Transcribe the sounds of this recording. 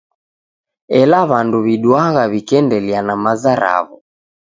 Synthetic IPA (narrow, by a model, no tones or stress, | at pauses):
ɛlaβanduβiɗwaɣaβikɛndɛlianamazaɾa̰βu